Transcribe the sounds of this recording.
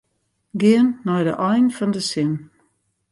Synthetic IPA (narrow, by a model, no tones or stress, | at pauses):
ɡɪənːɔjdə̰ʔɔjnfɔndəsɪn